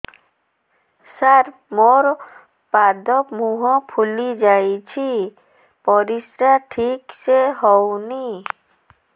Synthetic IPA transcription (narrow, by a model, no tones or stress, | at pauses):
saɾ | moɾ | pad̪ɔpmuɦɔ̃pʰulid͡ʒajt͡ʃʰi | pɔɾisɾaʈʰikseɦɔwni